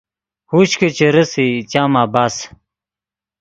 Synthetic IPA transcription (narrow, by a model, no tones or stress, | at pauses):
huːɕket͡ɕeɾɐsit͡ɕaːmaːbaːs